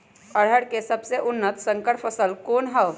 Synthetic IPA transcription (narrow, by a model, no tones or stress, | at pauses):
əɽ̤əɽkesɐbseʔʊnːət̪sə̃ŋkəʈfʰəsəlkoːnɦəʋ